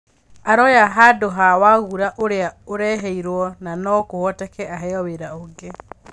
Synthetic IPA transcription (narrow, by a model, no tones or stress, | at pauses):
aɾɔjaɦadoɦawaɣuɾaʔoɾeaoɾɛːɦɛiɾwɔnanɔkohwɔtɛkɛaɦɛɔweɾaoɡe